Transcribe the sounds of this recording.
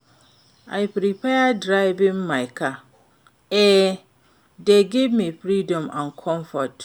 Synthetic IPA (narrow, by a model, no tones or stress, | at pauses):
a̰ɪpɾipʰɛadɾaɪbɪ̃mːãɪkʰa | ɛ | deɡevmĩfɾidɔ̃mã̰nkʰɔ̃mfɔt